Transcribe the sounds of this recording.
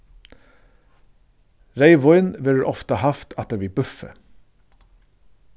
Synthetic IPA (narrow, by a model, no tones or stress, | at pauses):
ɾeɪʋɔʏnʋɪɾʔɔft̪əhɑft̪ʰɑt̪̚d̪eːbɪːbʉfə̰